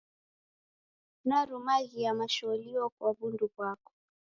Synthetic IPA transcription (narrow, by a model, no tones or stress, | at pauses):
naɾumaɣijamaʃɔliɔkwaɓundukwakɔ̥